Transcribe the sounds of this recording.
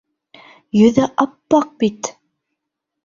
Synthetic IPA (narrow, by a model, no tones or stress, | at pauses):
jɵ̆ðæʔɑpːɑq̚bit̪